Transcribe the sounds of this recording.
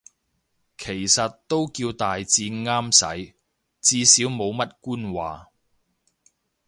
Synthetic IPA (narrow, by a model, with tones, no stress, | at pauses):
kʰe˨˩jsɐ˨t̚t̪ːo˥wkiː˧wt̪aː˨jt͡siː˧ŋaː˥msɐ̰˨˥j | t͡siː˧siː˨˥wmo˨˧wmɐ˥t̚kuː˥nwaː˨